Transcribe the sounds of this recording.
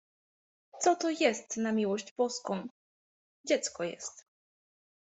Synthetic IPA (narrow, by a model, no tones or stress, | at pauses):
t̪sɔt̪ɔjɛst̪namʲiwɔʑd͡ʑbɔskɔ̃w̃ | d͡ʑɛt̪skɔjɛ̰st̪